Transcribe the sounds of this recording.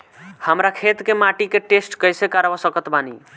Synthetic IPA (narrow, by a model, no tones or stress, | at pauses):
həmɾakʰet̪kemaʈikeʈesʈkəjsekaɾbasəkət̪bani